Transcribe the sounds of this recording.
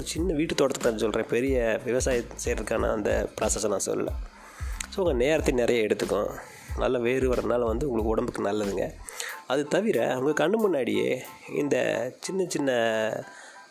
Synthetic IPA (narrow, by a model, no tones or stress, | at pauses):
ɔɾɯt͡ʃɪnːɐʋiːʈːɯt̪ːoːɽɐt̪ɯkːt̪ːaːnɯsɔlːɾẽːpɛɾɪjɐʋɪʋɐsaːjisɛjɾɐðɯkːaːnɐ̰ɐnd̪ɐ̰pɾaːsɐsɐnã̰ːsɔ̰lːɐ̰lʔɐ̰ | soːʊŋɡɐneːɾɐt̪ːɪnɪɾɐjaːɛɽɯt̪ːɯkːʊ̰̃ | nɐ̰lːɐʋeːɾɯʋɐɾɐðɯnaːlɐʋɐnd̪ɯʊŋɡɐɭɯkːɯʊɽɐmbɯkːɯnɐlːɐðɯŋɡɐ̰ɐðɯt̪ɐʋɪɾɐ̰ʊŋɡɐkɐɳːɯmʊnːaːɽɪjḛː | ɪ̰nd̪ɐ̰t͡ʃɪnːɐt͡ʃɪnːɐ